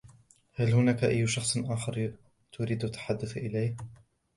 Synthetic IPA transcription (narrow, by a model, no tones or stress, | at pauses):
halhʊnaːkaʔajːʃɑxsˤʔaːxɑɾ | t̪ʰʊɾiːd̪ʔat̪ːḁħad̪ːʊθʔɪlajh